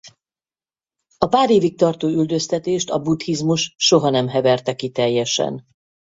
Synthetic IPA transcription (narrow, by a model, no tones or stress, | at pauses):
ɒpaːɾeːvik̚t̪ɒrt̪oːyld̪ø̞st̪ɛt̪eːʃt̪ɒbut̪hizmuʃʃo̞ɦɒnɛmɦɛvɛrt̪ɛkit̪ɛjːɛʃɛ̰n